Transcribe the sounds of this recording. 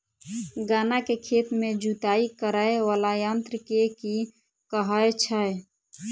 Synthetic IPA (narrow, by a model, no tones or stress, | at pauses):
ɡaːnakekʰet̪med͡ʒut̪aikəɾaeʋalajənt̪ɾəkeki | kəɦəet͡ʃʰəj